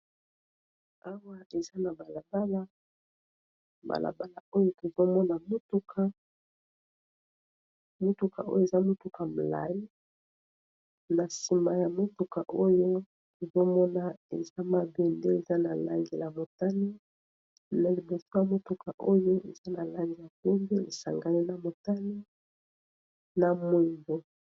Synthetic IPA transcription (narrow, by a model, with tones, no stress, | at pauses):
a˦wa˦e˨za˦na˨ba˨la˨ba˦la˦ | ba̰˨lʔa̰˨ba˦la˨o˦jo˦to˨zo˦mɔ˦na˨mo˦tu˦kʰa˦ | mo˦tu˨ka̰˨ʔo˦jo˦e˨za˦mo˦tu˨ka˨m̩˨la̰˨ji˦ | na˨si˨ma˨ja˨mo˦tu˨ka˨ʔo˦jo˦ | o˨zo˦mɔ˦na˨e˨za˦ma˨be˨nde˦e˨za˦na˨la˦ŋɡe˨la˨mo˨ta˦ni˦ | na˨li˨bo˨so˦ja˨mo˦tu˨ka˨ʔo˦jo˦ḛ˨za˦na˨la˦ŋɡi˨ja˨ko˦mbe˦ḛ˨sa̰˨ŋɡa˨li˦na˨mo˨ta˦ni˦ | na˨mo˨ŋbo˨